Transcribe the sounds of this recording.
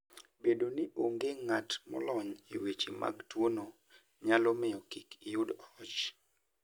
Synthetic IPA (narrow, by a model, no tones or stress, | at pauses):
bedoniʔoŋɡeŋatmɔ̰lɔɲiwet͡ʃima̰ɡtwono | ɲalɔmɪjɔkikijudɔt͡ʃ